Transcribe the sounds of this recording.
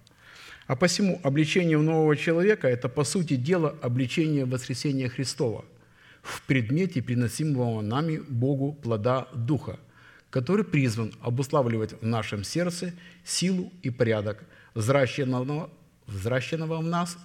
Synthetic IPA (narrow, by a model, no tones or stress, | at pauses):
ɐpəfsʲɪmuʔɐblʲɪt͡ɕenʲɪjəʊno̞vəvət͡ɕɪlˠɐvʲe̞kəɛt̪əpɐsut̬ʲɪdʲe̞lˠəʔɐblʲɪt͡ɕenʲɪjəvəskɾʲɪsʲenʲɪjəxɾʲɪst̪o̞və̰ | fpɾʲɪd̪mʲetʲɪpɾʲɪnɐsʲiməvəənamʲɪbo̞ɡʊplˠɐd̪ad̪uxə̰ | kɐt̪o̞ɾɨjpɾʲizvənɐ̰bʊslˠavlʲɪvətʲvnaʂɨmsʲe̞rt̪sɨsʲilˠʊipɐɾʲad̪əkz | vzraɕːɪnːəvəvnas